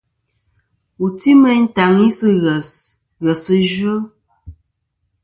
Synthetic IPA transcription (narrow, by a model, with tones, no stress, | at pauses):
u˨ti˦mə˦n̩˦ta˨ŋi˦sɨ˦ɣɛ˨s | ɣɛ˨sɨ˦d͡ʒə˦